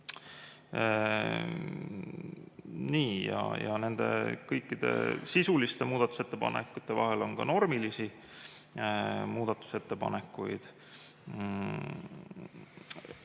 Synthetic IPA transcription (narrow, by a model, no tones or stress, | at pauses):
niːjɑ̰jɑne̞nd̪̥e̞̰kɤjkːˑid̪̥e̞̰sisulist̪e̞muːd̪ɑt̪ːˑu̥set̪ːe̞pɑ̰nḛkːˑut̪ːˑe̞vɑ̰ɦe̞lo̞nkɑ̰no̞rmilisi | muːd̪̥ɑt̪ːˑu̥se̞t̪ːe̞pɑ̰ne̞kːˑujd̪̥